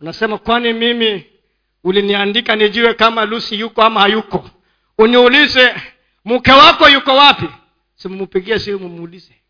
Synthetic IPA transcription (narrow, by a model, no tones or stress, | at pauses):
unasɛmakwanimimi | uliniandikaniʄuwɛkamalusijukɔamahajukɔ | uniulizɛ | mukɛwakɔjukɔwapi | simumupiɠiasiumumuːlizɛ